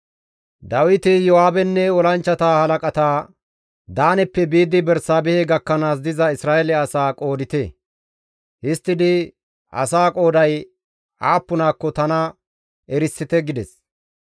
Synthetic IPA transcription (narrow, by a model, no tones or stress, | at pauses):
d̪ɐwɪt̪ɪjɔwaːbɛnːɛɔlɐnt͡ʃːɐt̪aːhɐlɐkʼɐt̪aː | d̪aːnɛpːɛbiːd̪ɪbɛɾsaːbɛhɛɡɐkːɐnaːs̬d̪ɪzɐɪsɾaːʔɛlɛɐsaːkʼo̞ːd̪ɪt̪eː | hɪst̪ːɪd̪ɪ | ʔɐ̰saːkʼo̞ːd̪ɐj | aːpːʊnaːkːɔt̪ɐnɐ | ɛɾɪsːɪt̪ɛɡɪd̪ɛs